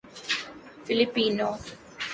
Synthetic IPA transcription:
filipiːno

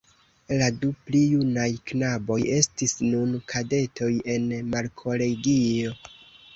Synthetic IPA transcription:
laduplijunajknabo̞je̞stisnunkʰade̞tʰo̞je̞nmaɾkʰo̞le̞ɡio̞

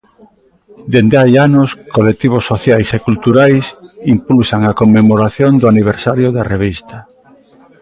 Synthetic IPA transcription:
d̪end̪eajanoskolet̪iβ̞osːoθjajsekult̪uɾajsimpulsaŋakomːemoɾaθjond̪oaniβ̞eɾsaɾjoðareβist̪a

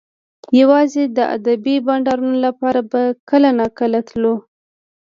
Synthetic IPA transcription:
jawɑzed̪əa̰d̪abibɑɳɖɑɾunolapɑɾabakəlanɑkəlat̪lo

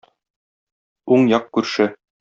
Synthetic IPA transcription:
uɴjɑq̚kʉɾʃɘ

